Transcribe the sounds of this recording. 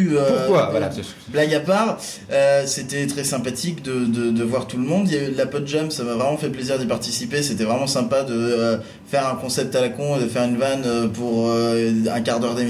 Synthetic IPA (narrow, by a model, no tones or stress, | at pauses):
øpkwala | blaɡapaʁ | øset̪ɛt̪χɛsɛ̃pat̪ʰikd̪əd̪əd̪əvwaʁt̪ulmɔ̃d̪jaylapɔt̪ʒamsamavʁɛmɑ̃fɛpleziʁd̪ipaʁt̪isipeset̪ɛvʁɛmɑ̃sɛ̃pad̪ə | fɛʁɛ̃kɔ̃sɛp̚t̪alakɔ̃ed̪əfɛʁynvanøpuʁøɛ̰̃kaʁd̪œʁd̪em